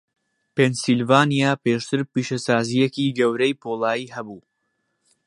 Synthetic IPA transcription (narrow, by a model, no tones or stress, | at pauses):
pensilvaːnijaːpeːʃt̪ʰɨɾpiːʃɐsaːzijekiːɡɐwɾejpʰoːlˠaːjiːhɐbuː